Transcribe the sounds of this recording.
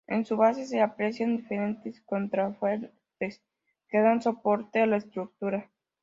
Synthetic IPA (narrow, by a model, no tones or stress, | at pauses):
e̞̰nsuβase̞s̬e̞apɾe̞sjand̪ife̞ɾent̪esko̞nt̪ɾafweɾ | t̪e̞s | ke̞ðanso̞po̞ɾt̪e̞alaest̪ɾuk̚t̪uɾa